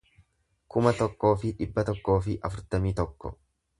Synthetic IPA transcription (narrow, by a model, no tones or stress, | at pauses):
kʊmɐt̪ɔkːo̞ːfɪᶑɪbːɐt̪ɔkːo̞ːfɪʔɐfʊɾt̪ɐmiːt̪ɔkːɔ̰